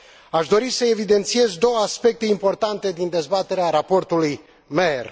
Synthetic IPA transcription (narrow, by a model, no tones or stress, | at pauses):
aʃd̪o̞ɾisəe̞vid̪e̞nt̪sie̞zd̪o̞wəaspe̞k̚t̪e̞impo̞rt̪ant̪e̞d̪ind̪e̞zbat̪e̞ɾeaɾapo̞rt̪uluj | mer